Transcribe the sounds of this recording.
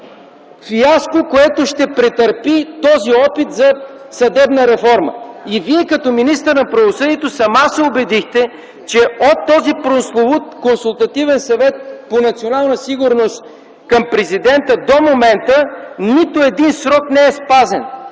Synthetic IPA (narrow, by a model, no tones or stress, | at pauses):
fiaskokoɛt̪oʃt̪ɛpɾɛt̪ɐɾpit̪ɔziɔpit̪zɐ | sɐd̪ɛbnəɾɛfɔɾmə̰iviɛkɐt̪ɔminist̪əɾnɐpɾɐvosɤd̪iɛt̪osɐmasɛobɛd̪ixt̪ɛ | t͡ʃɛot̪ːɔzipɾonsˠovʊt̪konsulˠt̪ɐt̪ivɛnsɐvɛt̪̚ponɐt̪sionalˠnəsiɡʊɾnost̪ | kɐmpɾɛzid̪ɛnt̪əd̪omomɛnt̪ənit̪oɛd̪insɾɔknɛɛspazɛn